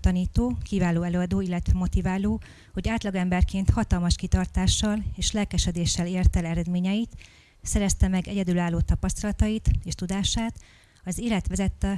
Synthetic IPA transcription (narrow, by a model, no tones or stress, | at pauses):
t̪ɒniːt̪oːkivaːloːɛløːɒd̪oːilːɛt̪ʋɛmo̞t̪ivaːloː | ho̞ɟaːt̪lɒɡɛmbɛrkeːnt̪hɒt̪ɒlmɒʃkit̪ɒrt̪aːʃːɒleːʃlɛlkɛʃɛd̪eːʃːɛleːrt̪ɛlɛɾɛd̪meːɲɛjit̪ | sɛɾɛst̪ɛmɛɡɛɟɛd̪ylaːlːoːt̪ɒpɒst̪ɒlɒt̪ɒjit̪eːʃt̪ud̪aːʃaːt̪ | ɒzeːlɛt̪ʋɛzɛt̪ːɛ